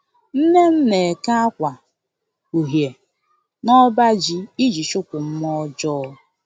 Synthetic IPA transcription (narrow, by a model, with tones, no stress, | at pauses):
n̩˦ne˦m̩˦ne˨e˨ka˦a˦kʷa˨ | u˨ɦje˨ | nɔ˦ba˦d͡ʒi˦i˦d͡ʒi˨ʃʊ˦kʷʊ˨m̩˦mɔ˦d͡ʒɔː˦